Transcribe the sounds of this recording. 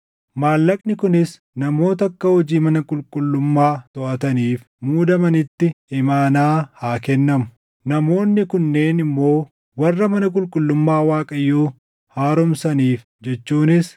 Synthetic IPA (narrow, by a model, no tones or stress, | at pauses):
maːlːɐkʼnɪkʊnɪs | nɐmo̞ːt̪ɐkːɐhɔd͡ʒiːmɐnɐkʼʊlkʼʊlːʊmːaːt̪ɔʔɐt̪ɐniːf | muːd̪ɐmɐnɪt̪ːɪɪmaːnaːhaːkɛnːɐmʊ̥ | nɐmo̞ːnːɪkʊnːe̞ːnɪmːo̞ː | wɐrːɐmɐnɐkʼʊlkʼʊlːʊmːaːwaːkʼɐjːuː | haːɾʊmsɐniːf | d͡ʒɛt͡ʃːuːnɪs